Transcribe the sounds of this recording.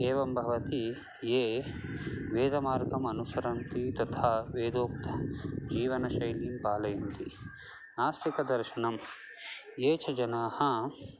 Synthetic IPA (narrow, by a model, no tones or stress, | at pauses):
eːʋɐmbʱɐʋɐt̪i | jeː | ʋeːd̪ɐmaːɾɡɐmɐnusɐɾɐnt̪it̪ɐt̪ʰaːʋeːd̪oːk̚t̪ʰɐ̥d͡ʒiːʋɐnɐʃɐjliːmpaːlɐjɐnt̪i | naːsikɐd̪ɐɾʃɐnɐm | jeːt͡ʃʰɐd͡ʒɐnaːhɐ